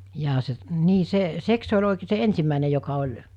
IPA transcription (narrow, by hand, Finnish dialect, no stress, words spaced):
jɑː se niː se seks se olʲ oˑikeː se ensimːæˑine jokɑ olʲ